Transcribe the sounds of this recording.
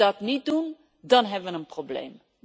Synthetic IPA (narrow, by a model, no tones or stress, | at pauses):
ɑtnit̚dun | dɑnɦɛbʋənənproblḛjm